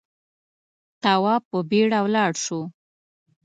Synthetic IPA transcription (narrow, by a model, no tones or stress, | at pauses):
t̪awɑpəbeɽawlɑɽʃo